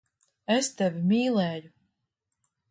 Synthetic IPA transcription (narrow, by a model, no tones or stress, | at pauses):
est̪evʲimʲiːlˠɛːju